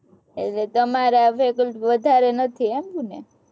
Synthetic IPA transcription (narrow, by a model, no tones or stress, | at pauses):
ḛʈlet̪əmaɾefekəlʈʋəd̪ʱaɾenət̪ʰiemkunḛ